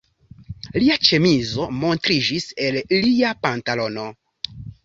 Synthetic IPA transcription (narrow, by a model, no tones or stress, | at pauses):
liat͡ʃe̞mizo̞mo̞ntɾid͡ʒise̞lliapantalo̞no̞